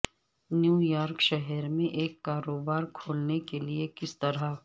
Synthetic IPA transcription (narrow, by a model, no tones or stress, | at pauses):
njuːjaːɾkʃɛɦɛɾmẽʔeːkːaːɾoːbaːɾkʰoːlnekeliekɪst̪ɐɾa